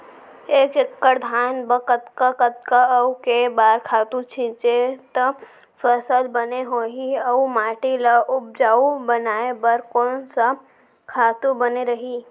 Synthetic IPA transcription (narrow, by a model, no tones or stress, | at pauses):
eːkɪkːəɾd̪ʱaːnbəkət̪kakət̪kaɐukebaːɾkʰaːt̪ũt͡ʃʰĩːt͡ʃet̪ə | fəsəlbəneɦoːɦiəumaːʈilaʔʊb̚d͡ʒaːubənaːebɐɾkɔːnsa | kʰaːt̪ũbəneɾɐɦiː